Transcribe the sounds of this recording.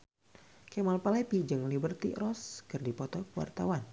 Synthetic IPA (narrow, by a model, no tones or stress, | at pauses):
kɛmalpalɛpid͡ʒɨŋlibərt̪ḭrɔskɨrdipɔt̪ɔkəwa̰rt̪awan